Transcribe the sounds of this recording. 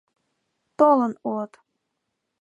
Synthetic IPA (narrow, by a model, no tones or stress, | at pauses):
t̪olɤnulɤt̪